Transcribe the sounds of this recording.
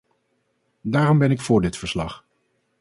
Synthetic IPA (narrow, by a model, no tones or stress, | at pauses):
daːrɔmbɛnɪkfʊːɹdɪtfəɹslɑχ